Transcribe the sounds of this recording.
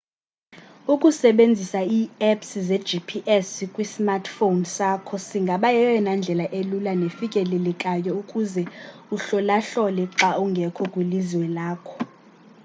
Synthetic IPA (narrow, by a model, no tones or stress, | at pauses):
ukʼusɛɓend͡zʱisaiːɛpsizɛd̥d͡ʒipʰiʔɛskʼwismartʰfonsakʰɔsiŋɡʱaɓajɛwɛnand͡ɮʱɛlaʔelulanefikʼɛlɛlɛkʼajɔukʼuzɛuɬɔlaɬɔlɛǁauŋɡʱɛkʰɔkʼweliziwɛlaːkʰɔ̥